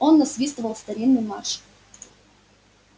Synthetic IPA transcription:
onːɐsvʲist̪əvəlˠst̪ɐɾʲinːɨjma̰rʂ

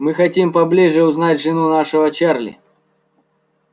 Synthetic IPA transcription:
mɨxɐtʲimpɐblʲiʐɨʊznatʲʐɨnunaʂɨvət͡ɕarlʲɪ̰

